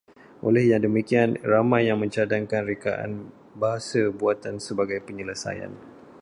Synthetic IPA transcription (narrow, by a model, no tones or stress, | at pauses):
ʔo̰lɛhjaŋdəmikianramãjːaŋmə̃ɲt͡ʃadaŋkanrikaʔa̰n | baɦasabuat̪ansəbaɡajpəɲələsa̰ja̰n